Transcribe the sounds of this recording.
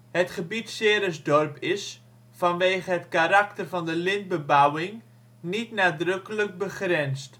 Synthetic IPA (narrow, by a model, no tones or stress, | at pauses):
ɦətχəbitsɪːɾəzdɔrpɪs | fɑnʋeːχəɦətkaɾaktərvɑndəlɪnd̚bəbawɪŋ | nitnaːdrɵkələk̚bəχrɛnst